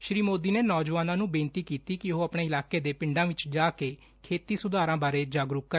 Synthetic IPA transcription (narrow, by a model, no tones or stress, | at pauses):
ʃɾiːmoːd̪iːneːnɔːd͡ʒʋaːnãːnũːbẽːnt̪iːkiːt̪iːkɪɦoːəpɳeːɪlaːkeːd̪eːpɪ̃ɳɖãːʋɪt͡ʃd͡ʒaːkeː | kʰeːt̪iːsʊd̪aːɾãːbaːɾeːd͡ʒaːɡɾʊkkːə